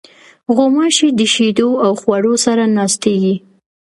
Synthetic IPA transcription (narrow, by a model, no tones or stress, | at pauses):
ɣomɑʃid̪əʃed̪oawxwaɽosaɾanɑst̪eɡi